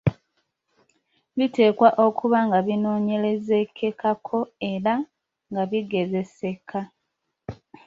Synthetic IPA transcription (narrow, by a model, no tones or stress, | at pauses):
βite̞ːkwaʔo̞kʰuβaŋɡaβino̞ːɲe̞le̞ze̞kʰe̞kʰakʰo̞e̞ɾa | ŋɡaβiɡe̞ze̞se̞kʰa